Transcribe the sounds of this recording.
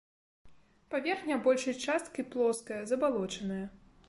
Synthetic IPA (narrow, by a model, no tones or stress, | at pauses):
pavʲɛrxnʲɐbɔlʲʂɐjɐt͡ʂast̪kʲiplˠɔskɐjɐzɐbalˠɔt͡ʂɐnɨjɐ